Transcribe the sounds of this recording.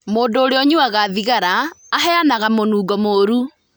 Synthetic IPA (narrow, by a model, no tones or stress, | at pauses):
moːndoːɾeɔɲuaɣaːðiɣaɾaːɦɛanaɣamonuːɡɔmoːɾu